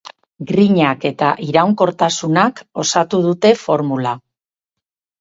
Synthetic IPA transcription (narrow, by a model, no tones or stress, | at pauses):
ɡɾiɲake̞t̪aʔiɾawŋko̞ɾt̪asunako̞sat̪uð̞ut̪e̞fo̞ɾmula